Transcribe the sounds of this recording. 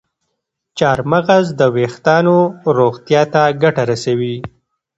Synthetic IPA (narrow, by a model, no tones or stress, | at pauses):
t͡ʃɑɾmaɣazd̪əwext̪ɑnoɾoɣt̪jɑt̪aɡaʈaɾasawi